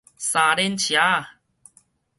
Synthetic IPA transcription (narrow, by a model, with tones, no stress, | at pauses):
sa˨˩ɾe˧nt͡ɕʰja˨˦